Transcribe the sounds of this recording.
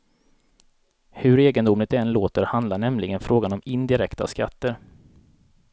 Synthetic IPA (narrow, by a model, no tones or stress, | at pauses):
hɵɾeːɡənd̪ʊmlɪt̪ɛnloːt̪əɾhand̪lanɛmlɪɡənfɾoːɡanɔmɪnd̪ɪɾɛkt̪a̰ska̰t̪ːəɾ